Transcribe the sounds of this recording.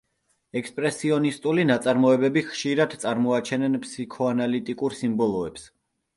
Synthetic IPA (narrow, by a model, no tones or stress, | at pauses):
ɛkʰspʼɾɛsiɔnist̪ʼulinat̪sʼaɾmɔɛbɛbiχʃiɾad̪t̪sʼaɾmɔat͡ʃʰɛnɛnpʰsikʰɔanalit̪ʼikʼuɾsimbɔlˠɔɛps